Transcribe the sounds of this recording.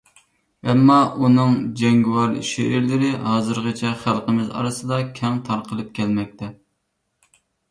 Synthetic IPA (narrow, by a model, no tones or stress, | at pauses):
ɛmːɑʔunɨŋd͡ʒɛŋɡwɑɾʃeɪɾlɪɾɪhɑːzɨɾʁɨt͡ʃʰɛχælˠqəmɪzɑ̰ɾɨsɨd̪ɑkʲʰɛŋt̪ʰɑɾqʰəlˠɨp̚kʲʰɛlmɛk̚ʲt̪ʰɛ